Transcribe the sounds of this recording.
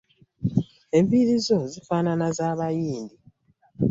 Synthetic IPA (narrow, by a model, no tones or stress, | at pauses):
e̞ɱviɾizo̞zifaːnanazaːβajiːnd̪i